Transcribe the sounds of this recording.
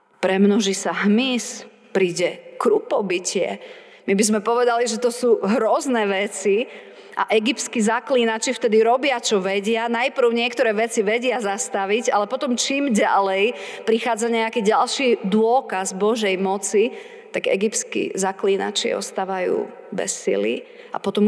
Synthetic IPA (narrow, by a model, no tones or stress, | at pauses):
pɾɛmnɔʒisaɦmis | pɾiːɟɛkɾupɔbicɪɛ̰ | mibizmɛpɔʋɛd̪aliʒɛt̪ɔsuːɦɾɔznɛʋɛt͡si | ʔa̰ʔɛɡipskizakliːnat͡ʃift̪ɛd̪iɾɔbɪat͡ʃɔʋɛɟɪanajpɾ̩ʊɲɪɛkt̪ɔɾɛːʋɛt͡siʋɛɟɪazast̪aʋiɟalɛpɔt̪ɔmt͡ʃiːmɟa̰lɛjpɾixaːd͡zaɲɛakiːɟalʃid̪ʊɔkazbɔʒɛjmɔt͡si | t̪aɡɛ̰ɡipskḭzakliːna̰t͡ʃḭɔ̰st̪aːʋajṵː | bɛ̰sːḭlḭ | a̰pɔt̪ɔm